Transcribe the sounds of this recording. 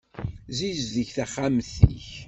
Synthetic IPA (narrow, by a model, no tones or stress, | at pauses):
zizðəʝθæχamθḭç